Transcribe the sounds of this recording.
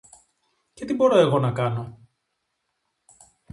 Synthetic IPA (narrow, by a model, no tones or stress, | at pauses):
ce̞t̪ibo̞ɾoe̞ɣo̞nɐkɐno̞